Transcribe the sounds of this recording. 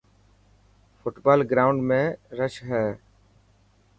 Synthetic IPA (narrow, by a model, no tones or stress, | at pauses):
fʊʈbaːlɡɾaːʊ̃ɳɖmẽːɾəʃɦɛː